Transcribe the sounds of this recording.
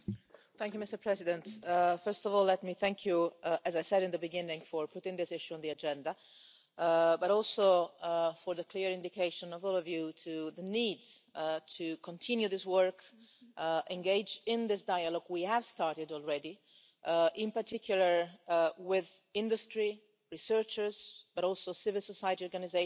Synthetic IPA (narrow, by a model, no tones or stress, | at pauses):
θæ̃ŋkjumɪstə˞pʰɹ̥ɛzɪdɛ̃nt̪fɜ˞stɔvɔlɛtmiθæ̃ŋkʰjuæzajsɛɾɪ̃nd̪əbɨɡɪ̃nɪ̃ŋfɔɹpʰʊtɪ̃ŋðɪsɪʃuɔ̃nd̪iad͡ʒɛ̃nda | baɾɔlˠso | fɔɹðəkʰliɹɪ̃nd̪ikeɪʃə̃nɔvɔlɔvjutʰuðəniːdtʰukʰɔ̃ntʰɪ̃njuðɪswɜɹk | ʔɛ̃ŋɡeɪd͡ʒɪ̃nðɪsdajalɔɡwiæv̥stɑɹtɪdɔlˠɹɛdi | ʔɪ̃mpaɹtʰɪkʰjulˠəɹwɪð | ɪ̃ndustɹi | ɹisɜɹt͡ʃəz̥b̥aɾɔlˠsosɪvɪlˠsɔsajətiɔɹɡanize